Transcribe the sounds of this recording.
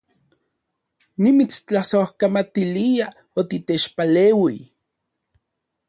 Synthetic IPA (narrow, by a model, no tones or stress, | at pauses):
nimit͡st͡ɬasohkamat̪ilia | ot̪it̪et͡ʃpaleːwi